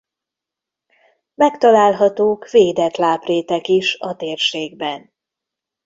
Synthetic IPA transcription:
mɛkt̪ɒlaːlɦɒt̪oːkveːd̪ɛt̪laːpreːt̪ɛkiʃɒt̪eːrʃeːɡbɛn

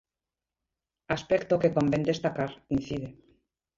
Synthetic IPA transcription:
aspekt̪okekombend̪est̪akaɾin̟θiðe

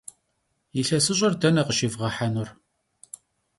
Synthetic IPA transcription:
jiɬɐsɨɕ̬ʼɐrdɐnɐqəʃivʁɐħanʊr

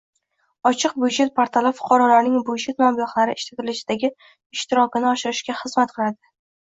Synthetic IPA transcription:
ɒt͡ʃʰɨq̚bʊjʒet̪̚pʰaɾt̪ʰalafʊ̥qʰɒɾɒlaɾnɪŋbʊjʃet̪̚mambɒχlˠaɾɪɪʃlat̪ɪlɪʃɪd̪aɡʲɪ | ɪʃt̪ɪɾɒkʲɪnɪɒʃɪɾɪʃkʲaχɨzmat̪̚qʰɨlˠad̪ɪ

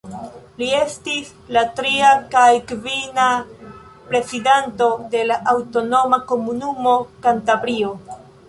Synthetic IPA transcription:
lie̞stis | latɾiakajkvina | pɾe̞sidanto̞de̞laʔːwto̞no̞mako̞munumo̞kantabɾio̞

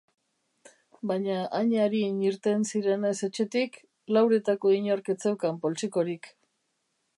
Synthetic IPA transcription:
baɲaʔaɲaɾiɲiɾt̪e̞nsiɾe̞nese̞t͡ʃe̞t̪ik | lawɾe̞t̪ako̞iɲoɾket͡sewkampo̞lt͡siko̞ɾik

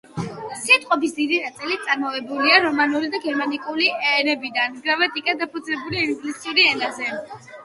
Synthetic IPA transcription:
sit̪ʼqʼɔbisd̪id̪iɾat̪sʼilit̪̚sʼaɾmɔvɛbuliaɾɔmanuɾid̪aɡɛɾmanikʼuliɛnɛbid̪anɡɾamat̪ʼikʼad̪apʰɔd̪zlɛbuliiŋɡlisiuɾiɛnazɛ

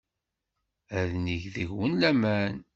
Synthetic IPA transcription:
æðniʝðəʝwənlæmæn

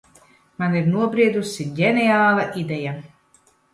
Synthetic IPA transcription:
maniɾnuɔbɾiɛd̪usiɟʲɛnʲɛaːlˠaʔid̪ɛja

